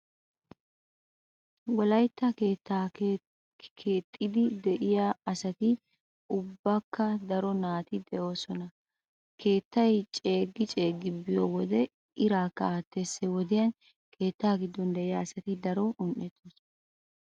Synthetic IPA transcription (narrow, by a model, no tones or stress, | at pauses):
wɔlɐjt̪ːɐkeːt̪ːa | kʰeːt̪ʼːɪd̪ɪd̪ɛʔɪjaɐsɐt̪ɪ | ʊbːɐkːɐd̪ɐɾɔnaːt̪ɪd̪ɛʔo̞ːsɔnɐ | kʰe̞ːt̪ːɐjt͡ʃʼe̞ːɡːɪt͡ʃʼe̞ːɡːɪbɪjoːwɔd̪ɛ | ɪɾaːkːɐaːt̪ːesːɛwɔd̪ɪjɐn | kʰe̞ːt̪ːaːɡɪd̪ːɔnd̪ɛʔɪjaːsɐt̪ɪd̪ɐɾɔʔʊnʔɛt̪ːos